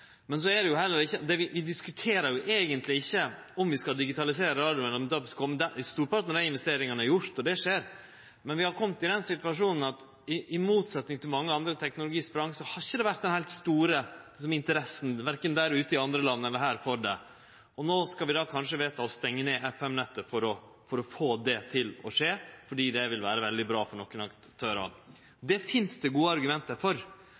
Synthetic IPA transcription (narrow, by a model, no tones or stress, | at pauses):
mɛns̬ɔɛɖɛjʊɦɛlːəɾɪçːəd̪ɛʋɪʋɪd̪ɪskʉt̪ʰeːɾəɾjʊʔeːɡənt̪lɪɪçːə | ɔmʋɪskɑd̪ɪɡɪt̪ʰɑlɪseːɾəɾɑːd̪ɪʊmɛlɔd̪ɑʋskʰɔmːəd̪æst̪uːɾpɑɾʈ̪nəɾæɪnʋɛst̪eːɾɪŋɑnəæɾjʊɾt̪ɔd̪ɛʂeːɾ | mɛnʋɪhɑɾkʰɔmt̪ɪd̪ɛnsɪt̪ʋɑʂuːnən̩ɑt̪ | ɪʔɪmuːt̪sɛt̪nɪŋt̪ʰɪlmɑŋːəɑnd̪ɾət̪ʰɛknʊlʊɡiːspɾɑŋsɔhɑɾɪçːəd̪ɛʋæɾt̪̚d̪ɛnhæɪlt̪st̪uːɾəlɪs̬ɔmɪnt̪əɾɛsːən̩ʋæɾkənd̪æɾʉːt̪əɪɑnd̪ɾəlɑnːəɛlːəɾɦæːɾfɔɖɛ | ɔnoːskɑlʋɪd̪ɑːkʰɑnʂəʋeːt̪ɑɔst̪ɛŋːəneːʔɛfɛmnɛt̪ːəfɔɾɔ | fɔɾɔfoːd̪ɛt̪ʰɪlɔ̰ʂeːfɔɖiːd̪ɛʋɪlʋæːɾəʋɛld̪ɪbɾɑːfɔɳɔkːənɑk | t̪ʰøːɾɑ̰d̪ | d̪ɛfɪnsd̪ɛɡuːəɑɾɡʉmɛnt̪əfɔɾ